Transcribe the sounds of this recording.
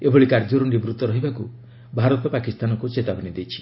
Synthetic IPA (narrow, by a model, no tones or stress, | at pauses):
eboɭikaɾd͡ʒɔɾunibɾut̪ɔɾɔɦibaku | bʱaɾɔt̪ɔpakist̪anɔkut͡ʃet̪abɔnid̪ejt͡ʃʰi̥